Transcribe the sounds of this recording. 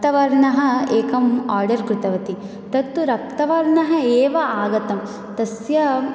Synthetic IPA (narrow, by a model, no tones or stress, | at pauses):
t̪ɐʋɐɾɳɐɦɐ̆eːkɐmaːɾɖɐɾkɾɪt̪ɐʋɐt̪i | t̪ɐt̪ːuɾɐp̚t̪ɐʋɐɾɳɐɦɐ̆eːʋɐaːɡɐt̪ɐm | t̪ɐsjɐ